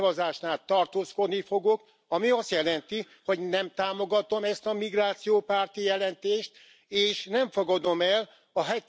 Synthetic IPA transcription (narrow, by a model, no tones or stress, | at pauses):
vɒzaːʃnaːlt̪ɒrt̪oːsko̞d̪nifo̞ɡok | ɒmiɒst̪jɛlɛnt̪i | ho̞ɟnɛmt̪aːmo̞ɡɒt̪o̞mɛst̪ɒmiɡraːt̪sijoːpaːrt̪ijɛlɛnt̪eːʃt̪ | eːʃnɛɱfo̞ɡɒd̪o̞mɛl | ɒɦɛt̪